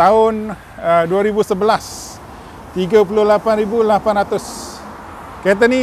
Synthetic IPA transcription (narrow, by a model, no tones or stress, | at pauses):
t̪aʊn | əduaɾibusəbəlas | t̪iɡapulʊhlapanɾibulapanɾat̪ʊs | kajt̪̬ani